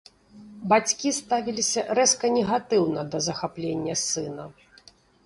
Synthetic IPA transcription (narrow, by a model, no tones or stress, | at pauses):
bat͡sʲkʲist̪avʲilʲisʲɐɾɛskɐnʲɛɣat̪ɨwnɐd̪ɐzɐxaplʲenʲːɐsɨnɐ